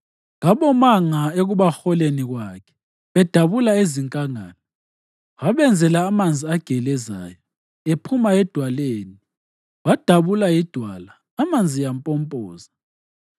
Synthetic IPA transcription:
ŋaɓɔmaŋaeɣuβaxɔleniɣwakʰɛ̥ | βɛd̥ʱaβulaeziŋkʼaŋaːnɔ | waβɛnd͡zʱɛlaːmand͡zʱiaɡ̥ʱɛlɛza̰ːjɔ | epʰumaɛd̥ʱwaleːni | wad̥ʱaβulajid̥ʱwalaːmand͡zʱijampʼɔmpʼɔːza

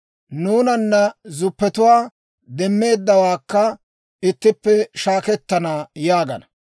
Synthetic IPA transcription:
nuːnɐnːɐzʊpːɛt̪ʊwaː | d̪ɛmːe̞ːd̪ːɐwaːkːɐ | ɪt̪ːɪpːɛʃaːkɛt̪ːɐnaːjaːɡɐ̰nɐ

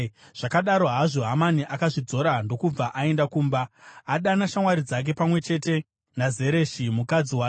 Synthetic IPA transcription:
ʐ̥akaɗaɾo̞ɦaʐo̞ɦamaniʔakaʐid͡zo̞ɾando̞kub͡vaʔae̞ndakuːmbaːɗanaʃamwaɾid͡zak̬e̞pamwe̞t͡ʃe̞te̞ | naze̞ɾe̞ːʃimukad͡ziwaː

